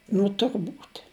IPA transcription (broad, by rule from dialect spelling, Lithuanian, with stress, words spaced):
nʊ tʊrˈbuːtʲ